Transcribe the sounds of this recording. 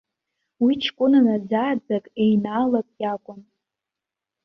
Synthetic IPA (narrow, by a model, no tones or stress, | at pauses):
wit͡ʃʰkʷʼʊnanad͡zaːd͡zakʼejnaːlakʼjakʷʼʊn